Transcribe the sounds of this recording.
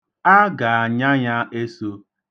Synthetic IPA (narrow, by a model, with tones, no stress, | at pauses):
a˦ɡa˨a˨ɲa˦ɲa˦ʔe˦so˦